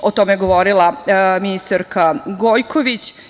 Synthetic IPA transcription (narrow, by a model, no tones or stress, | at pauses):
ot̪o̞meeɡo̞ʋo̞ɾilˠaminist̪aɾkaɡojkʰoʋit͡ɕ